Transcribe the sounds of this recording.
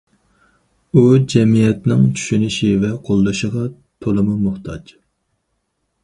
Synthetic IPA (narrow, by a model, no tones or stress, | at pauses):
ud͡ʒɛmijɛt̪nɪŋt͡ʃʰy̥ʃynɪʃivɛqʰolˠd̪uʃəʁɑ | t̪ʰolˠɨmumʊχt̪ʰɑd͡ʒ